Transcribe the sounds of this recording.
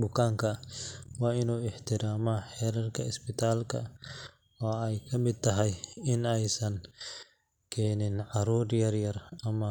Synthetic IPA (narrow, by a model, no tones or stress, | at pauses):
bʊkʰaːŋkʰɐwɑːɪnuːɪħt̪ʰɪɾaːmɐħɛːɾɐrkʰɐɪspɪt̪ʰaːlkʰɐ̰ | ɔɛjkʰɐmɪd̪̚t̪ʰɐɦɐjɪnɛjsɐn | kʰɛːnɪnʕɑɾɔːdjɐɾjɐɾɐmɐ